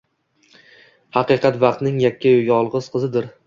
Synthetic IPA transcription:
hɑqɨqʰɑt̪vɑqt̪nɪŋjakʲʰːaojʲɒlˠʁɨz̥qʰɨzɪd̪ɪɾ

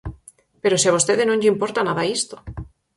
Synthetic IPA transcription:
peɾosiaβost̪eðenõɲʎeimpo̞ɾt̪anaðaist̪o

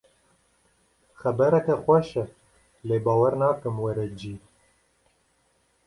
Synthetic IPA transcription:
xɛbɛɾɛkɛxʷɛʃɛ | leːbɑːwɛɾnɑːkɨmwɛɾɛd͡ʒiː

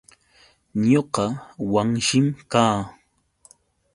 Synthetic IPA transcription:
ɲoqɑwaŋʃɪmkaː

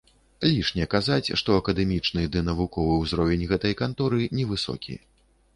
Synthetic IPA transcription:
lʲiʂnʲɛkazat͡sʲʂt̪ɔɐkɐd̪ɛmʲit͡ʂnɨd̪ɨnɐvukɔvɨwzɾɔvʲɛnʲɣɛt̪ɐjkant̪ɔɾɨnʲɛvɨsɔ̰kʲʰḭ

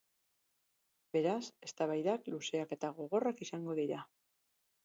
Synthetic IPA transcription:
be̞ɾase̞st̪aβajðakluse̞ake̞t̪aɣo̞ɣ̞o̞rakisaŋɡo̞ðiɾa

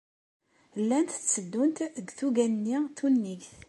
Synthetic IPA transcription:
lːænt̪ə̥t͡sːəd̪ːunt̪əɡθuɡænnːit̪unːiɡθ

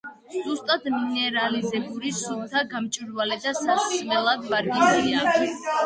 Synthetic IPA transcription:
zust̪ʼad̪minɛɾalizɛbuɾisup̚t̪ʰaɡamt͡ʃʼiɾvalɛd̪asaχt̪sʼmɛlˠad̪baɾɡinliakʰ

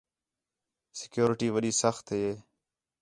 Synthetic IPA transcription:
sɪ̥kjoːɾɪʈiːʋəɗiːsəxt̪ɦeːeː

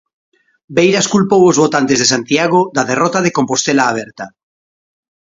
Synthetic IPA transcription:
bejɾaskulpowozβot̪ant̪ezð̞esant̪jaɣ̞od̪aðerɔt̪aðekompost̪elaːβ̞eɾt̪a

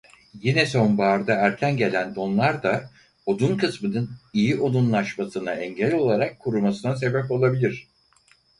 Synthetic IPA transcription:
jinɛso̞nbaːɾd̪aæɾcʰænɟe̞lʲænd̪o̞nlˠaɾd̪a | od̪unkʰɯsmɯnɯnijiʔo̞d̪unlˠaʃmasɯnaɛɲɟelʲio̞lˠaɾakʰːuɾumasɯnas̬e̞bɛpo̞lˠabilʲiɾ̥

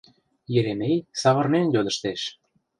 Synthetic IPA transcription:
jɘɾemejsɑβɤ̆rnenjod̪ə̆ʃt̪eʃ

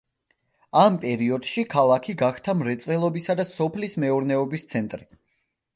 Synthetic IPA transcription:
ampʼɛɾiɔd̪̥ʃikʰalˠakʰiɡaχt̪ʰamɾɛt̪sʼɛlˠɔbisad̪asɔpʰlismɛuɾnɛɔbist̪sʰɛnt̪ʼɾi

